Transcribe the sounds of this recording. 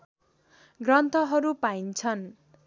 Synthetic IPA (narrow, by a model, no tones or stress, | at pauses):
ɡrʌnt̪ʰʌɦʌɾupaint͡sʰʌn